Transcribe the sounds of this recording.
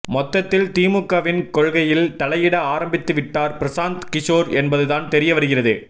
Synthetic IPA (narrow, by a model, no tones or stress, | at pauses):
mɔt̪ːɐt̪ːɪlt̪iːmɯkːɐʋɪnkɔɻɣɐjɪlt̪ɐlɐjɪɽɐaːɾɐmbɪt̪ːɯʋɪʈːaːɾpɪɾɐsaːnt̪kɪʂoːɾɛnbɐðɯðaːnt̪ɛɾɪjɐʋɐɾɯɣɪrɐðɯ̰